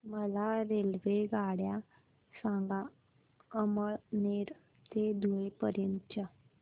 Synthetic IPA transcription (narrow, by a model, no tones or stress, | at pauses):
məlaɾelʋeɡaɽja | sãŋɡa | əməɭneɾ | t̪ed̪ʱuɭepəɾjənt̪ət͡ɕa